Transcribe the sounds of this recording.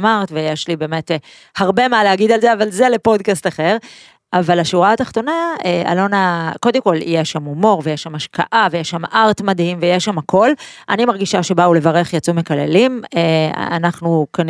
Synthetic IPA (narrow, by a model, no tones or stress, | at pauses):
maʁt̪vejeʃlibe̞ːmet | haʁbe̞maleaɡid̪alzeavalze̞lepo̞d̪kastaχe̞ʁ | avalaʃuʁat̪aχt̪o̞naa̰lo̞nako̞d̪e̞mko̞lḭjeʃamumo̞ʁvejeʃamaʃka̰ʔavejeʃamʔaʁtmad̪himvejeʃamakʰo̞lʔanimaʁɡiʃaʃe̞baule̞vaʁe̞χjat͡sume̞kalḛlimea̰a̰naχnukan